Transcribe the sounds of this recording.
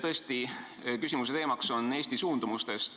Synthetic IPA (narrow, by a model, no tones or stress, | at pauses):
t̪ɤ̞est̪i | kysimus̬e̞t̪e̞ːmɑkso̞nːe̞ːsʲt̪isuːnd̪̥umust̪e̞st̪